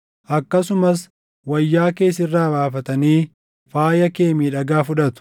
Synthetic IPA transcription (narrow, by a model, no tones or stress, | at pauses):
ʔɐkːɐsʊmɐs | wɐjːaːke̞ːsɪrːaːbaːfɐt̪ɐniː | faːjɐke̞ːmiːᶑɐɡaːfʊᶑɐt̪ʊ̥